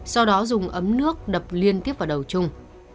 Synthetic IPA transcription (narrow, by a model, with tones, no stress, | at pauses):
sa˧wɗɔ˨˦zʊ˨˩ŋ͡mʔə˨˦mnɨ˦˥ək̚ɗə˨˩p̚li˧ənt̪i˦˥əp̚vaː˨˩ɗə˨˩wt͡ɕʊ˧ŋ͡m